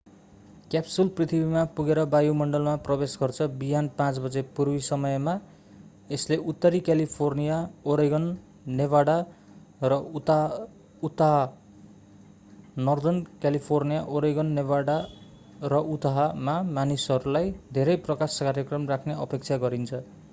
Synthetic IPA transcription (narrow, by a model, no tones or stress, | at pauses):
kjapsulprit̪ʰibimapuɡeɾʌbajumʌɳɖʌlmaprʌbesɡʌrt͡sʰʌbiɦanpãt͡sbʌd͡zepuɾwisʌmʌjma | esleʔut̪ːʌɾikjalipʰornijaoɾeɡʌnː | eβaɽa | rʌt̪ | ut̪aɦa | nʌrd̪ʌnkalipʰornijaʔoɾeɡʌnːeβaɽa | rʌut̪aɦamamanisʌɾulajd̪ʱeɾʌjprʌkaskaɾjʌkrʌmrakʰneʌpek̚t͡sʰaɡʌɾint͡sʰʌ